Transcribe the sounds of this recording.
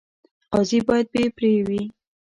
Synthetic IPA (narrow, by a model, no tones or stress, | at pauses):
qɑzibɑjad̪̚bepɾewi